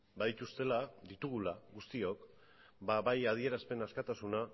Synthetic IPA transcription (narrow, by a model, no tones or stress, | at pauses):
baðit̪ust̪e̞laðit̪uɣ̞ulaɣust̪io̞k | baβajað̞ie̞ɾaspe̞naskat̪asuna